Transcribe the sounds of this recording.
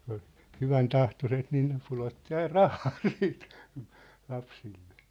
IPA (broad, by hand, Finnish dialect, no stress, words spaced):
ku̥n̥ o̥l̥ hyʋæntɑhtoset niːn ne pulotːi ɑin rɑhɑː siːt lɑpsilːe̥